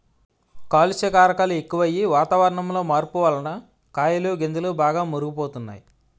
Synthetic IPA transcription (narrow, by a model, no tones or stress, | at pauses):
kaːlusekaːɾɐkaːlue̞kːuʋɐjiʋaːt̪aːʋɐɾɐɳɐmlo̞ːmaːɾpuʋalɐnɐ | kaːjɐluɡend̪ɐlubaːɡaːmoɾuɡupoːt̪unːa̰ːji